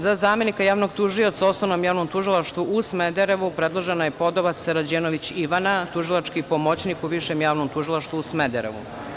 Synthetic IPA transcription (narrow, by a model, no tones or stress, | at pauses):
zazaːme̞nikajaːʋnoɡt̪uʒio̞t̪saosnoʋnomjaːʋno̞mt̪uʒilˠaʃt̪ʋuʔusmed̪eɾeʋupɾed̪lˠoʒenajepo̞d̪oʋat̪seɾad͡ʑeːnoʋit͡ɕiʋanat̪uʒilˠat͡ʃkipomo̞t͡ɕnikuʋiʃemjaːʋnomt̪uʒilˠaʃt̪ʋuusmed̪eɾḛʋṵ